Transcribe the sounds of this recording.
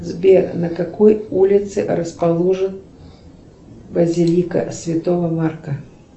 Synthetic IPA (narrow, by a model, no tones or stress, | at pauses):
zbʲernəkɐkojulʲɪt̪sɨ̰ɾəspɐlˠuʐɨn | bəzʲɪlʲikə̰sʲvʲɪt̪ovəmarkə